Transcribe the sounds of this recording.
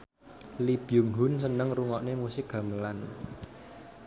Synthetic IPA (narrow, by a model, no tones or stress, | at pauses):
lib̥jʊŋɦʊnsənəŋruŋɔʔnemusɪk̚ɡ̥ä̤məlan